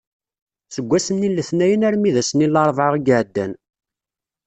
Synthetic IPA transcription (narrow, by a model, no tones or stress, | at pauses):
səɡʷːæsənːilːəθnæjənæɾmiðæsənilːɑɾˤvʕəʁəɡəʕd̪ːæn